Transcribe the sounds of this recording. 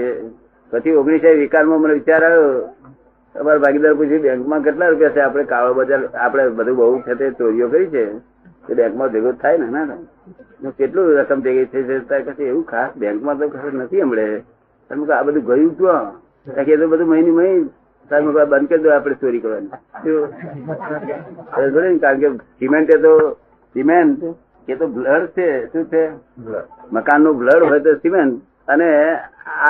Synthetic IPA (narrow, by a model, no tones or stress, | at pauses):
e | pət͡ʃʰioɡɳisajʋikanmãməneʋɪt͡ʃaɾaʋo | ə̰maɾabʱaɡid̪aɾput͡ʃʰibẽŋkmãkeʈlaɾupjat͡ʃʰeapɽ̃ekaʋabəd͡ʒaɾapɽ̃ebəd̪ʱũbəɦut͡ʃʰet̪et͡ʃoɾijokəɾit͡ʃʰe | t̪obɛ̃ŋkmãd̪ɾot̪ʰajnenato | nokeʈluɾəkəmt̪eɡət̪ʰet͡ʃʰet̪akət͡ʃʰieũkʰasbɛ̃ŋkmãt̪̬okʰasnət̪ʰiəmɭe | pənmũk̪abəd̪ʱũɡəjũd͡ʒ̪ã | kakeet̪̬obəd̪ʱũməɦiniməi | samẽkbənd̪ked͡ʒ̪aapɽ̃esoɾikəɾʋanit̪o | kəɽinkaɾəɳkesimeɳʈet̪̬o | simeɳʈ | ket̪obʱləɽt͡ʃʰesũt͡ʃʰe | məkanːobʱləɽɦojt̪̬osimeɳʈ | ənea